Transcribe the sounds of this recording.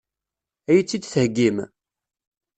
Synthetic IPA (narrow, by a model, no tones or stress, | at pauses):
æjət͡sːid̪θhəɡːim